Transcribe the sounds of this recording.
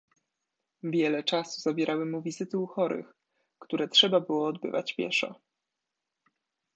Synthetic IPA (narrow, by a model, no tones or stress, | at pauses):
vʲjɛlɛt͡ʂasuzabʲjɛɾʔawɘmuvʲizɘt̪ɘuxɔɾɘ̰x | kt̪uɾɛtʂɛbabɘwɔːd̪bɘ̰va̰t͡ɕpʲjɛ̰ʂɔ̰